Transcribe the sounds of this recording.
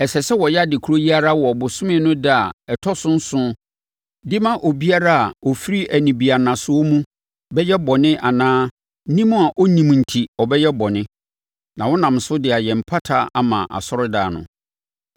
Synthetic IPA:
ɛ˨sɛ˨sɛ˦wɔ˨jɛ˦a˨dɪ˨kʰu˦ɾo˦ji˦a˦ɾa˦wɔ˨ɔ˨bʊ˨sʊ̃˦mɪ̃˦nʊ̃˦dɪ˨˦a˨ɛ˨tʰɔ˦sʊ̃˦n̩˦sʊ̃˦ | dɪ˦mã˦ʔo˨bi˦a˦ɾa˦a˨ɔ˨fi˦ɾi˦ʔæ˨nĩ˨bi˨a˨nã˨sʊ˦ɔ˦mũ˦ | bɛ˦jɛ˦bɔ˨nɪ̃˦ʔa˨nãː˦ | nĩ˦mʊ̃˦a˨ʔɔ˦nĩ˨m˨n̩˨tʰi˨ɔ˨bɛ˦jɛ˦bɔ˨nɪ̃˦ | nã˨wɔ˦nã˨m˨sʊ˦dɪ˨a˨jɛ˨m̩˨pʰa˦tʰa˦a̰˦mã̰˨ʔa̰˨sɔ˦ɾʊ˦da̰ː˨nʊ̰̃˨

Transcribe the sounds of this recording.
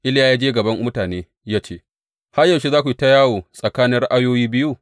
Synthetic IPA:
ʔɪ˦ljaː˦jaː˦d͡ʒeː˦ɡɐ˨bɐ˦mmʊ˦taː˨neː˦ | jaː˦t͡ʃeː˦˨ | ha˦jɐ˨ʃi˦zaː˦kʷu˨ji˦ta˦jaː˦woː˨sʼɐ˨kaː˦nɪ˦ɽa˦ʔa˦joː˦jiː˦bɪ˦ju˦˨

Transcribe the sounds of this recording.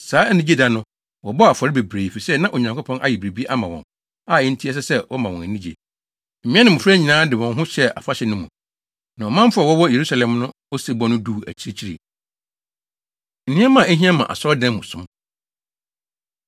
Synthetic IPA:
saː˨˦nĩ˦d͡ʑe˦da˨nʊ̃˦ | wɔ˨bɔ˦˨a˨fɔ˨ɾɪ˦be˨bɾeː˨fi˨sɛ˦nã˦ʔo˨ɲã˨ŋkʰʷo˦pʰɔ̃˦nʔa̰˨jɪ˨bɾe˨bi˦ʔa˦mã˨wɔ̰̃˨n | a˦˨ɛ˦n̩˦tʰi˦ɛ˦s̬ɛ˦sɛ˦wʔɔ˦mã˨wɔ̃˨næ˨nĩ˦d͡ʑḛ˨ | m̩˨mĩ˦ɛ̃˦nɪ̃˦m˨ʊ̃˨fɛ˦ɲĩ˨nãː˦dɪ˨wɔ̃˨nɦʊ̃˦ɕɛ˦a̰˨fa˦ɕɛ˨nʊ̃˦mṵ̃˨ | nã˨ɔ˨mã˦m˦fʊ˦a˨wɔ˦wɔ̃˦je˨ɾu˦sa˨lɛ̃˨mnʊ̃˦ | ɔ˦se˨bɔ˦nʊ̃˦duː˦˨æ̰˨t͡ɕʰi˦e˦t͡ɕʰi˦ɾḛ˨ | n̩˨ñ˦a˦mã˦˨æ˦ɦĩ˦a˦mã̰˨ʔa̰˨sɔ˦dã˦mmũ˨sʊ̃˦m

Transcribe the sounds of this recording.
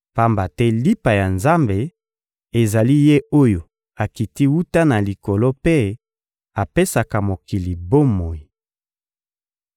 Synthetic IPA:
pa˦mba˨tɛ˦li˦pa˨ja˨nza˦mbe˨ | e˨za˨li˦je˦o˦jo˨ | a˨ki˨ti˦wu˦ta˦na˨li˨ko˨lo˦pe˦ | a˨pe˦sa˨ka˨mo˨ki˨li˨bo˦mo˨ji˨

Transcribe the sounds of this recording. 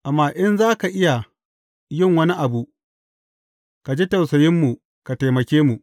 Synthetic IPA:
ʔa˨mːaː˦ʔɪ˦nzaː˦ka˨ʔɪ˦ja˨ | jɪ˦˨ŋwɐ˦ni˦ʔa˨bu˨ʔ | ka˨d͡ʒe˦tɐ˨wsɐ˨jɪ˦mːu˨ | ka˨ta˨jmɐ˨kʲeː˦mu˨ʔ

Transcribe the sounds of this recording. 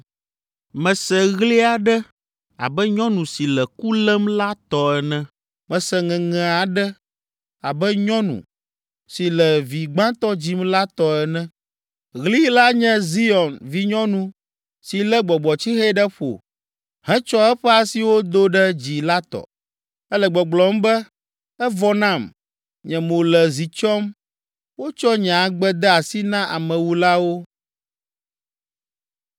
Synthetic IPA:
mɛ̃˨sɛ˨ɣli˦a˨ɖɛ˦ | a̰˨bɛ˦ɲɔ̃˦nũ˨si˨lɛ˨ku˦lɛ˦mla˦t̪ɔ˦ɛ˨nɛ̃˦ | mɛ̃˨sɛ˨ŋɛ̃˨ŋɛ̃˨a˨ɖɛ˦ | a˨bɛ˦ɲɔ̃˦nṵ̃˨ | si˨lɛ˨vi˨ɡ͡bã˦t̪ɔ˦d͡ʑi˦mla˦t̪ɔ˨ɛ˨nɛ̃˦ | ɣli˦la˦ɲɛ̃˦zi˦ɔ˨nvi˨ɲɔ̃˦nũ˨ | si˨lɛ˦ɡ͡bɔ˨ɡ͡bɔ˨t͡ɕi˦xe˦ɖɛ˦ɸo̰˨ | hɛ̃˦t͡ʃɔ˦ɛ˦ɸɛ˦a˨si˨wo˦d̪o˦ɖɛ˦d͡ʑi˨la˦t̪ɔ̰˨ | ɛ˦lɛ˨ɡ͡bɔ˨ɡ͡blɔ˨m˦bɛ˦ | ɛ˦vɔ˦nã˦˨m | ɲɛ̃˨mõ˨lɛ˨zi˨t͡ʃɔ˦m | wo˦t͡ʃɔ˦ɲ˨a˨ɡ͡bɛ˦d̪ɛ˦a˨si˦nã˦ʔa̰˨mɛ̃˨wu˨la˦wo˦

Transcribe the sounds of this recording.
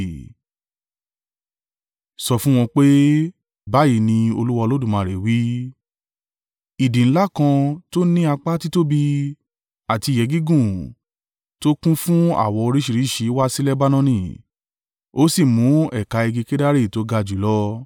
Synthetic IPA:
sɔ˧fũ˦w̃ɔ̃˧k͡pe˦ | ba˦ji˦˧˨nĩ˧o˧lu˦wa˧lo˦dũ˦˨mã˨ɾe˨wi˦ | i˨dĩ˨ñ̩˦la˦kã˧to˦nĩ˦a˧k͡pa˦ti˦to˦bi˧ | a˨ti˧˨jɛ˨˦ɡi˦ɡũ˦˨ | to˦kũ˦fũ˦a̰˦˨wɔ˧o˧ɾi˦ʃi˧ɾi˨˦˨ʃi˨˦wa˦si˦lɛ˦ba˦nɔ̃˦nĩ˦˨ | o˦si˦˨mũ˨˦ɛ˦˨ka˨˧ɛ˧ɡi˧ke˦da˦ɾi˦˨to˨˦ɡa˧d͡ʒu˨˦lɔ˦

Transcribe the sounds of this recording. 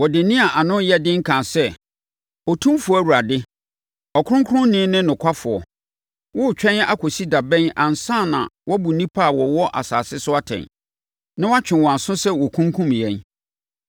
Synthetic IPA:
wɔ˨dɪ˨nĩ˦a˨ʔa˨nʊ̃˦jɛ˦dɪ̃˦ŋ̩˦kʰã˨sɛ˦ | ɔ˨tʰũ˦mfu˨ɔ˦˨wu˨ɾa˨dɪ˦ | ɔ˨kʰʊ˦ɾʊ̃˦ŋkʰʊ˦ɾʊ̃˦nɪ̃ː˦nɪ̃˦nʊ̃˨kʷʰa˦fʊ˨ɔ˨ | wɔ˦˨t͡ɕᶣɛ̃˦n˦a˦˨kʰɔ˨si˦da˨bɛ̃˦nã˨n˨sã˦˨nã̰˨wʔɔ˦bu˨nĩ˦pʰa˦a˨wɔ˨wɔ˦ʔa̰˨saː˨sɪ˦sʊ˦a˦tʰɛ̰̃˨n | nã˦wa˦t͡ɕᶣɪ̃˨nwɔ̃˨ã˨nsʊ̃˦sɛ˦wɔ˨kʰũ˦ŋ˦kʰũ˦m˨ɛ̃˦n

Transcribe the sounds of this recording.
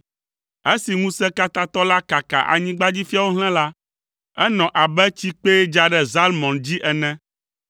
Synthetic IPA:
ɛ˦si˨ŋũ˦sɛ˦ka˦t̪a˦t̪ɔ˦la˦ka˨ka̰˨ʔa̰˨ɲĩ˦ɡ͡ba˦d͡ʑi˦fi˦a˦wo˦ɦl̃ɛ̃˦la˦ | ɛ˦nɔ̃˨ʔa˨bɛ˦t͡ɕi˦k͡pe˦d͡ʒa˦ɖɛ˦za˦lmɔ̃˨nd͡ʑi˦ʔɛ˨nɛ̃˦

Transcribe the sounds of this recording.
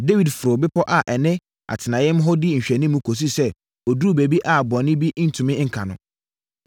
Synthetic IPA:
de˦wi˨dfʊ˨ɾʊ˨bɪ˦pʰɔ˦ʔa˨ʔɛ˨nɪ̃˦ | a̰˨tʰɪ˨nã˨jɪ̃˦m˦ɦɔ˦dɪ˦ɲ̩˨ɕᶣɛ˨nĩ˦mːũ˦kʰo˨s̬i˦sɛ˦ | ɔ˨du˦˨be˨bi˦ʔa˨bɔ̃˨nɪ̃˦bi˦n̩˦tʰũ˨mɪ̃˦ŋ̩˨kʰã˨nʊ̰̃˨

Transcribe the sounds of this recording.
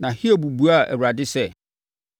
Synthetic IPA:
nã˨hi˦ɛ˨bu˨bu˦a˦˨ʔɛ̰˨a˨dɪ˦sɛ˦˨

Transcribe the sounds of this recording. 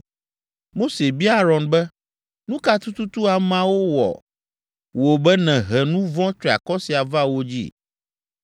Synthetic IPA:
mo˦se˨bi˦a˦ɾɔ˨nbɛ˦ | nũ˦ka˦t̪u˦t̪u˦t̪u˦a˨mã˦wo˦wɔ̰˨ | wo˨bɛ˦nɛ̃˨ɦɛ˨nũ˦vɔ̃˦t͡ʃɾi˨a̰˨kɔ˦si˨a˨va˦wo˦d͡ʑḭ˦

